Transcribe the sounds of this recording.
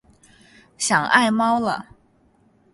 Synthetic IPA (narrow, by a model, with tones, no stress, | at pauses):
ɕjɑ˨˩ŋʔa̰˥˩ɪmɑ˥ʊlə̰˨